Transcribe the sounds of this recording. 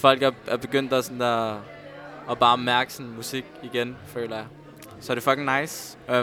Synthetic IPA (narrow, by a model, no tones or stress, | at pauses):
fɒ̽l̰ɡ̥æɐæɐb̥e̝ɡ̥øn̰d̥æsɔnæ | b̥ɑ̈ːmæɐɡ̥ə̥sɔnmusiɡ̥iɡ̥enfø̰ːlɐjɑ̈ | sɒ̽ɾ̥e̝fɒ̽ɡ̥eŋnɑ̈ɪs